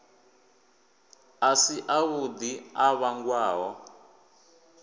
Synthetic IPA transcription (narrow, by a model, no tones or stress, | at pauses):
asiʔaβud̪iaβaŋɡwaːɦɔ